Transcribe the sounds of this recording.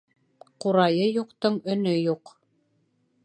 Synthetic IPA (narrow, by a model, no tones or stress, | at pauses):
quɾɑjɤjuqt̪ɤɴɵ̆nɵjuq